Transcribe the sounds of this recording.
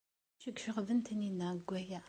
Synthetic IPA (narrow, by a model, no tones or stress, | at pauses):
ʃəɡʷʃəʁvənt̪əninːæɡʷːæjæ